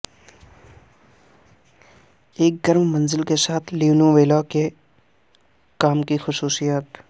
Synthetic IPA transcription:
eːk̚ɡəɾmmɐ̃nzɪlkesaːt̪ʰliunũʋeːlake | kaːmkixʊsuːsijət̪

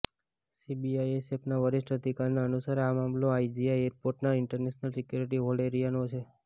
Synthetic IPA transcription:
sibiajesepnaʋəɾɪʃʈəd̪ikaɾnaənusəɾamamloaid͡ʒiajeɾpoɾʈnaɪɳʈəɾneʃnəlsikjuɾiʈ̬iɦoleɾijanot͡ʃʰe

